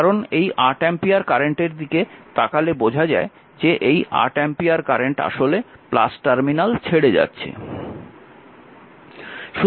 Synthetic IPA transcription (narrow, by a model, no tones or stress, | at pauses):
aɾonejʔaɾʈɛmpiaɾkaɾeɳʈeɾd̪iket̪akalebod͡ʑʱad͡ʑae | d͡ʑeʔeja̰ɾʈɛmpiaɾkaɾeɳʈa̰ʃolepla̰sʈaɾminalt͡ɕʰeɽed͡ʑa̰tːɕʰḛ | ʃu